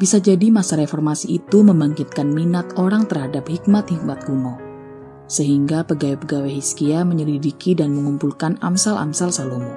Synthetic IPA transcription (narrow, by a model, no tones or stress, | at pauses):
bisad͡ʒadimasaɾefɔrmasiːt̪uməmbaŋkit̪̚kanminat̪̚oɾaŋt̪ərhadap̚hik̚mat̪̚hik̚mat̪̚ɡumɔ | səɦiŋɡapəɡawepəɡaweɦiskiaməɲəlidikidanməŋumpulkanamsalʔa̰msalsalum